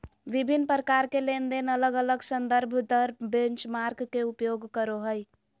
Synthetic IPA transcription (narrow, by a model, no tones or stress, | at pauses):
ʋibʱinːpɾəkaɾkelend̪enələɡələɡsənd̪əɾbʱd̪əɾbent͡ʃmaɾkkeupjoɡkəɾoɦəj